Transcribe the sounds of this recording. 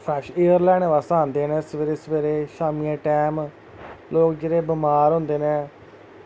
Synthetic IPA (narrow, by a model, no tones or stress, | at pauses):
pʰɛːʃeːəɾlɛːɽ̃ẽːʋaːsãːnd̪eːnɛ̃ːsʋeːɾeːsəʋeːɾeːʃaːmijãːʈɛːm | loːkd͡ʒeːɾeːbɪmaːɾɦʊ̃nd̪eːnẽː